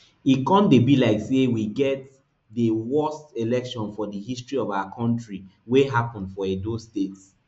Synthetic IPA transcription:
ikɔ̃ndebilaɪksewiɡɛt̚ | dəwɜstelɛkʃɔ̃nfɔdəhistɹiɔvawakʰɔ̃ntɹiweɦapɔ̃ndfɔedostets

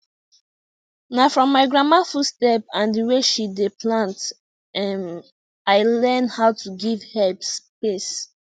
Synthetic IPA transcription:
nafɹɔ̃mːaɪɡɹãmafutstɛp̚ãndiweʃideplãnt | ɛ̃n | aɪlɛ̃nhaʊtʰuɡivhɛlpspes

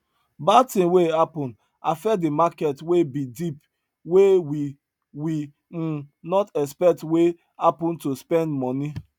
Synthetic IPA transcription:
batĩmwehapɔ̃nd | afɛdemakɛtwebidip | wewi | wi | nɔtɛspɛk̚twe | hapɔ̃ntospɛ̃ndmɔni

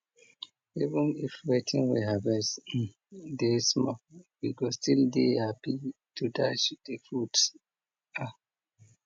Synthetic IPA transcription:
ivə̃nifwetʰĩŋwḭɦabɛs | desmɔwiɡɔstildehapitutat͡ʃd̥efɹuts | a

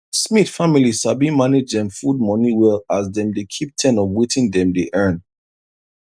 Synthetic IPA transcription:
smiθfamiliz̥abimaned͡ʒdɛ̃mfud̚mɔniwɛlazdɛ̃mdekʰip̚tʰɛ̃nɔvwetʰĩndɛ̃mdeʔɜ̃˞n

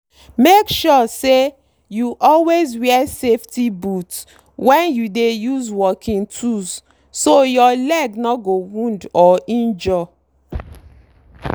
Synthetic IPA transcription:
mekʃɔse | juʔɔlwezwɛseftibut | wɛ̃njudejuzwɔkʰĩŋtʰuz | sojɔlɛɡnɔɡowũndɔʔĩnd͡ʒɔ

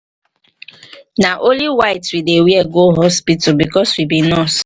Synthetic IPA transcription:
naʔoliwaɪtwidewjeɡoɦɔspitɔbikɔswibinɔs

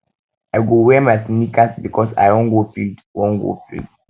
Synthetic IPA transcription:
aɪɡowɛmaɪsnikasbikʰɔsa̰ɪɔ̃nɡofḭldwɔ̃nɡo̰fḭld

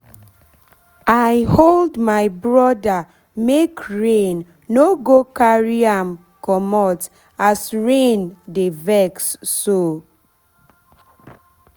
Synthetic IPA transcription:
ajholdmaɪbɹɔda | mekɹenː | oɡokaɹiam | kɔmɔt | asɹendevɛksːo

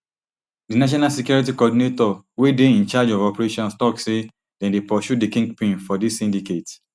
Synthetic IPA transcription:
dinaʃ̬ɔnalsekjɔɹit̬ikɔdinetɔwedeĩnt͡ʃad͡ʒɔvɔpɹeʃɔ̃nstɔkse | dɛ̃ndepɔʃudikĩŋɡpĩnfɔdisːĩndiket

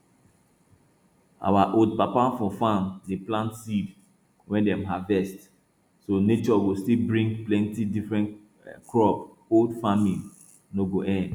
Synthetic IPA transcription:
a̰waʔod̚papafɔfamdeplãntsiv | wɛ̃ndɛ̃mɦavɛst | sonet͡ʃɔɡostilbɹĩŋɡplɛ̃ntidifɹɛ̃n | kɹɔp | oldfamĩ | noɡoʔɛ̃nd

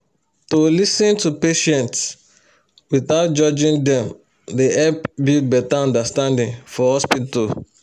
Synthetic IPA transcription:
tolisĩntupeʃɛ̃nts | wiθaʊt̚d͡ʒɔd͡ʒĩndɛ̃m | deɛlpbit̚bɛtaɔ̃ndastãndĩnfɔhɔspital

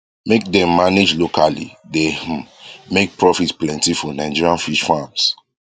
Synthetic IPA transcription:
mek̚dɛ̃mːaned͡ʒlokalḭde | mek̚pɹɔfitplɛ̃ntifɔnaɪd͡ʒiɹiãnfiʃfãms

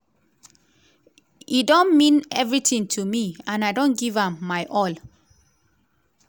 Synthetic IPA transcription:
idõnmĩnɛvɹitĩŋtʰumiãnaɪdõnɡivãmːaɪʔɔl

